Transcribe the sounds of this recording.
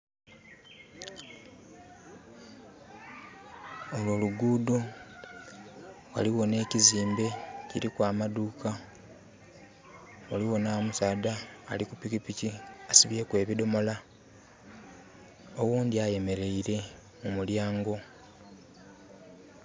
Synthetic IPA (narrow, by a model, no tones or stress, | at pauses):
olwo̞ːluɡuːdo | wa̰liwo̞ne̞ːciziːmbe̞ciɾikwaːmaduːka | waliwo̞naːmusaːdaːlikupikipiciasiβje̞kwe̞ːβido̞mo̞la | owuːnd̪iaje̞me̞ɾe̞iɾe̞ | mumuljaːŋɡo̞